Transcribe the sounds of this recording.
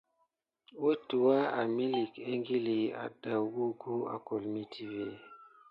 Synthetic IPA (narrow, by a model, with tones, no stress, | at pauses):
wo˦tu˨wa˦a˨mi˦li˨ke˦ŋɡi˦li˨a̰˨da˨ɡu˦ɡu˦a̰˨ko˨lmi˦tʰi˦ve˦˨